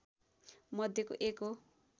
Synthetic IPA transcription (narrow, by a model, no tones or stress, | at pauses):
mʌd̪ʱjeko̰ʔeko